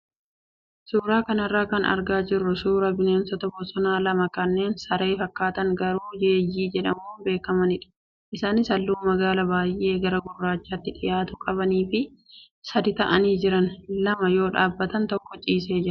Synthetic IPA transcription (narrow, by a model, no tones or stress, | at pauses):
suːɾaːkɐnɐrːaːkɐnɐ̰ɾɡaːd͡ʒɪrːʊsuːɾɐbɪne̞ːnsɔt̪ɐbɔsɔnaːlɐmɐkɐnːe̞ːnsɐɾe̞ːfɐkːaːt̪ɐŋɡɐɾuːjeːjːiːd͡ʒɛᶑɐ̰muːbe̞ːkːɐmɐnɪᶑɐ̥ | ʔɪsaːnɪsɐlːuːmɐɡaːlɐbaːjʔe̞ːɡɐɾɐɡʊrːaːt͡ʃːaːt̪ːɪᶑɪjaːt̪ʊkʼɐβɐniːfɪ | sɐd̪ɪt̪ɐʔɐniːd͡ʒɪɾɐnlɐmɐjo̞ːᶑaːbːɐt̪ɐnt̪ɔkːɔt͡ʃʼiːs̬e̞ːd͡ʒɪɾɐ